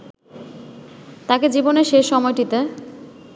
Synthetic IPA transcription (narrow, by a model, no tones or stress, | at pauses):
t̪aked͡ʑiboneɾʃeʃːɔmɔeʈit̪e